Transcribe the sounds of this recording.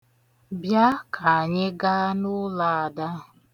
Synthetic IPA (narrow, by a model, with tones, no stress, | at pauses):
bja˦kʰa˨a˨ɲe˦ɡa˦nʊ˦la˦a˨da˦